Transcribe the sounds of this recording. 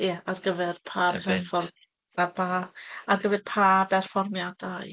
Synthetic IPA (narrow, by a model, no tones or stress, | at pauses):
jɛarɡəvɛrpʰarpʰɛrfɔr | arpʰaarɡəvɛrpʰabɛrfɔrmjad̥aj